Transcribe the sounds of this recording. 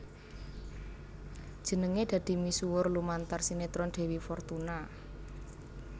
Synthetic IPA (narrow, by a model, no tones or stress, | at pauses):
d̥ʒ̥ə̤nəŋed̪̥ä̤d̪̥i̤misuwʊrlumant̪arsinet̪ɾɔnɖ̪̥e̤wifɔrt̪una